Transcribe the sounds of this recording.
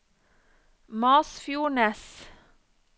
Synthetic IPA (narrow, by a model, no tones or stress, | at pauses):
mɑːsfjuːɳɛs